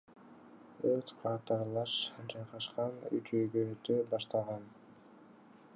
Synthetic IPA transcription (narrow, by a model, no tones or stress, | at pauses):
øt̪qʰɑt̪ɑɾlˠɑʃd͡ʒɑjʁɑʃqɑny̰t͡ʃøjɡøːt̪øbɑʃt̪ɑʁɑn